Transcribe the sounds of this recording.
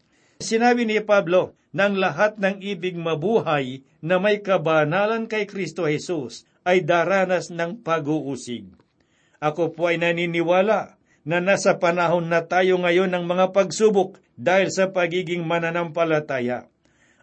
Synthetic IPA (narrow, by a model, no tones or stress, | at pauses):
sɪnaːbɪnɪpablo̞ | nɐʔɐŋlɐɦat̪̚nɐŋʔiːbɪɡ̚mɐbuːɦɐj | nɐmɐjkɐbanaːlɐnkɐjkɾist̪o̞hɛsus | ʔɐjd̪aːɾaːnɐsnɐŋpɐɡuʔuːsɪɡ̚ | ʔɐkopoʔɐjnɐniːnɪwaːlaʔ | nɐnaːsɐpɐnaɦo̞nːɐt̪aːjo̞ŋɐjo̞nɐŋmɐŋapɐɡsuːbok̚ | d̪aːhɪlsɐpɐɡiːɡɪŋmɐnɐnampɐlɐt̪aːjɐ̰